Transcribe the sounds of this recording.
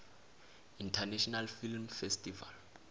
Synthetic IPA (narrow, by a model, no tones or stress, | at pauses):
intʰanɛʃɔnalfilmfɛstiva̰l